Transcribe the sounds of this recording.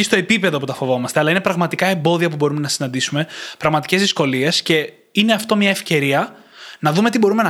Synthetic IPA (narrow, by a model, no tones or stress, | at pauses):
ist̪oe̞pipe̞ðo̞put̪ɐfo̞vo̞mɐst̪e̞ɐlɐine̞pɾɐɣmɐt̪ikɐe̞mbo̞ðiɐpubo̞ɾume̞nɐsinɐnd̪isume̞pɾɐɣmɐt̪i̥ce̞zðisko̞lie̞sce̞ | ine̞ɐft̪o̞mɲɐefce̞ɾiɐnɐðume̞t̪ibo̞ɾume̞nɐ